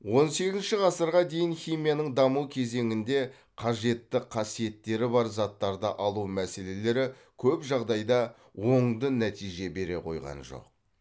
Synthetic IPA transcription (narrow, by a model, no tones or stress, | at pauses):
wo̞nse̞kʲɪzʃɪʁɑsəɾʁɑd̪e̞jɪnχijmijanəɴd̪ɑmuwkʲʰe̞ze̞ŋɪnd̪e̞ | qʰɑʒe̞t̪ːɪqʰɑsije̞t̪ːe̞ɾɪbɑɾzɑt̪ːɑɾd̪ɑʔɑlˠumæse̞le̞le̞ɾɪ | kʲʰɵpʒɑʁd̪ɑjd̪ɑ | wo̞ɴd̪ənæt̪ijʒe̞be̞ɾe̞̰qʰo̞̰jʁɑ̰nʒo̞̰q